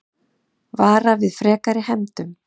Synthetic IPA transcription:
vaːɾavɪðfɾɛːkaɾɪhɛmt̪ʏm

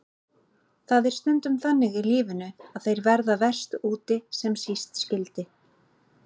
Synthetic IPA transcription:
θaðɪɾ̥st̪œnt̪ʏmθanːɪɣɪliːvʏnʏaðθejɾvɛɾðavɛr̥st̪uːt̪ɪsɛmsist̪scɪlt̪ɪ

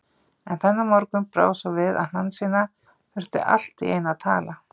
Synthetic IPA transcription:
ɛnθɛnːamɔɾkʏmpɾa̰ːwsɔwvɪðaðhansiːna | fʏɾ̥t̪ʏ̰ʔa̰l̥t̪ɪḛjnaðt̪ʰa̰ːla

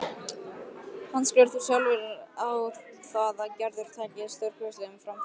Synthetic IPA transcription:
hanskœɾθu̥salvɪɾawɾ | θaðacɛɾðʏɾ̥t̪ʰaːjcɪðst̪œwɾ̥kʏst̪ɪʏmfɾam

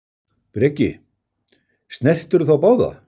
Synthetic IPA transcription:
pɾɛːcɪ | st̪nɛr̥t̪ʏɾʏθawpaːwða̰

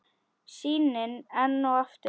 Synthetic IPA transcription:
siːnɪnɛnːʊaft̪

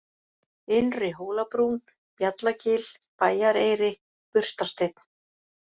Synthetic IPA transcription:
ɪnrɪɦoːwlapɾun | pjat̪lacɪːl | paːjaɾejɾɪ | pʏr̥st̪ḁst̪ejt̪n̥

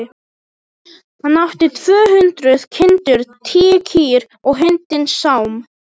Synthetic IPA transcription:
hanːawht̪ɪt̪ʰv̥œːɦʏnt̪ɾʏð̥cʰɪnt̪ʏɾt̪ʰiːcʰiːɾ | ɔɣɦɪnt̪ɪnsːawm

